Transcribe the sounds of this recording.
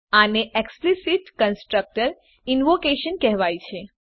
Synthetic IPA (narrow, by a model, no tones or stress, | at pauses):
aneeksplisiʈkənsʈɾək̚ʈəɾ | inʋokeʃənkɛɦʋajt͡ʃʰe